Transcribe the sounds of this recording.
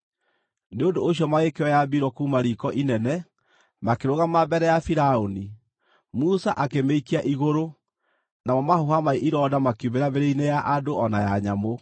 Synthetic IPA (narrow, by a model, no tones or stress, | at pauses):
neondoːɕ̬jɔmaɣekewɛjabiɾwɔkuːmaɾikɔʔinɛnɛ | makeɾoɣamabɛɾɛjafiɾaoni | musaʔakemeikiaʔiɣoɾo | namɔmahoɦamaiʔiɾɔdamakjuβeɾaβeɾeinejaʔadoʔɔnajaɲamo